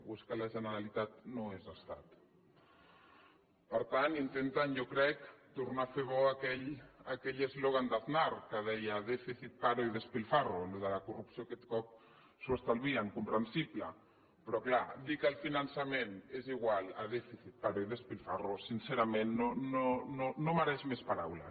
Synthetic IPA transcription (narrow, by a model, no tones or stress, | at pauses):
βuskalaʒənəɾalit̪at̪̚noezast̪at̪ | pəɾt̪anint̪ent̪anjokɾɛkt̪urnafeβɔakɛʎakɛʎezloɣand̪aðnaɾkəðɛjaðɛfiθit̪̚paɾoiðespilfaroluðəlakurupsiokɛt̪kɔp̚ | suast̪alβiaŋkumpɾənsiplə̰ | pɾɔklad̪ikəlˠfinansameneziɣwala̰ð̞ɛfiθit̪̚paɾoiðespilfarosinseɾamenːonononomaɾɛʃmespaɾawla̰